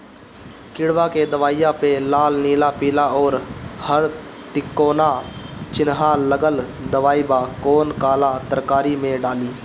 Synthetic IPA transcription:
kɪɽʋaked̪əʋaːɪjãpelaːlniːlapiːlaɔːɾhəɾ | t̪ɪkːoːnat͡ʃɪnɦaləɡəld̪əʋaːibakoːnkaːlat̪əɾkaːɾimẽɖaːliː

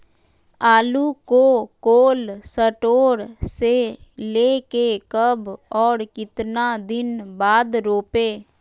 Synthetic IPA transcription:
aːluːkoːkoːlsəʈoːɽseleːkekəbɔːɾkɪt̪naːd̪ɪnbaːd̪ɾoːpeː

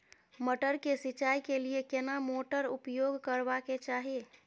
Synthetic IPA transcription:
məʈəɾkesit͡ʃajkeliekenamoʈəɾupjoɡkəɾbaket͡ʃaɦie

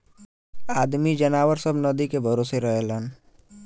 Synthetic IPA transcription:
aːd̪mid͡ʒənaːwəɾsəbnəd̪ikebʱəɾoːseɾəɦelən

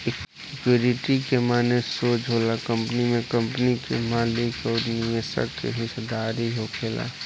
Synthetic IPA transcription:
ɪk | ɪkjuɾɪʈikemaːnesoːt͡ʃɦolakə̃mpənimẽkə̃mpnikḛmaːlɪkɔːɾniesə̰kkḛɦɪsd̪aːɾiɦokʰeːla̰ː

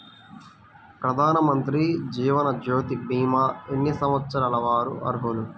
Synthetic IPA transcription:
pɾɐd̪ʱaːnɐmɐnt̪ɾid͡ʒiːʋɐnɐd͡ʒoːt̪ibiːmaːenːɐsɐmɐt̪sɐɾɐlɐʋaːɾṵʔɐ̰ɾɦolu

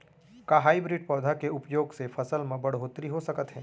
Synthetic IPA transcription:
kaɦaːibɾiːɖ̚pɔːd̪ʱakeʊpjoːɡsefʰɐsəlmẽbɐɽɦoːt̪ɾiɦosɐkət̪ɦɛː

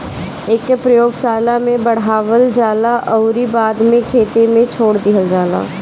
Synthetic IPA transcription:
eːkpɾəjoːɡsaːlamẽbəɽ̤aːʋəld͡ʒaːlaʔəʊɾibaːd̪mẽkʰeːt̪emẽt͡ʃʰoːɽd̪ɪɦəld͡ʒaːla̰ː

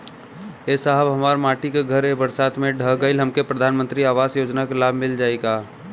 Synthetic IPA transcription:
eːsaɦəbɦɐmaːɾmaːʈikeɡʱɐɾebəɾsaːt̪mẽɖʱəɡəɪlɦɐmkepɾɐd̪ʱaːnmə̃nt̪ɾiaːʋaːzjoːd͡ʒnakelaːbʱmɪld͡ʒaːeɡaː

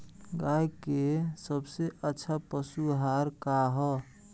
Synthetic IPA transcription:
ɡajkesəbseʔətːʃʰapəsuɦaɾkaɦɔ

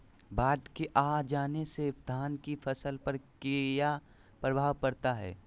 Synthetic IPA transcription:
baːʈkeʔaːd͡ʒaːnesed̪ʱaːnkifɐsəlpɐɾkija | pɾɐbʱaːʋkɐɾt̪aɦɛ̰ː

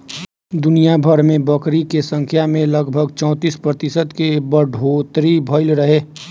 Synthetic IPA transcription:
d̪ʊnijabʱəɾmẽbəkɾikesə̃ŋkʰjamẽləɡbʱəɡt͡ʃɔ̃ːt̪iːspɾət̪ɪsəd̪kebəɖʱoːt̪ɾibʱəɪlɾəɦeː

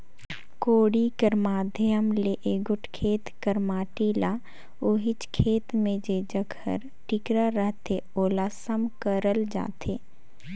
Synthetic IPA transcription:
koːɽikəɾmaːd̪ʱjəmleʔeːɡʊʈʰkʰeːt̪kəɾmaːʈiːla | oɦɪt͡ʃkʰeːt̪mẽd͡ʒed͡ʒəɡʰʱə̰ɾ | ʈɪkɾaɾəɦt̪eoːlasəmkəɾəld͡ʒa̰ːt̪ʰeː

